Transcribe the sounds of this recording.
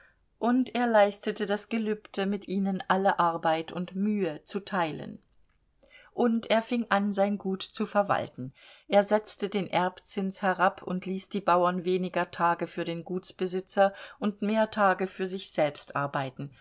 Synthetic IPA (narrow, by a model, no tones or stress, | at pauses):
ʔʊntʔeːɐlaɪstətədasɡ̥əlyːptʰəmɪtʔiːnənʔaləʔaɐbaɪtʰʊntmyːət͡sutʰaɪlə̰n | ʔʊntʔeːɐfɪŋʔanzaɪnɡuːtt͡sufɛɐva̰ltn̩ʔeːɐzɛt͡stədeːnʔɛɐpt͡sɪnshɛʁapʰʊ̰ntʰliːsd̥iːbaʊɐnveːnɪɡɐtʰaːɡəfyːɐɾeːnɡuːtt͡sb̥əzɪt͡sɐʔʊntmeːɐtʰaːɡəfyːɐzɪçz̥ɛlpstʔa̰ɐbaɪtn̩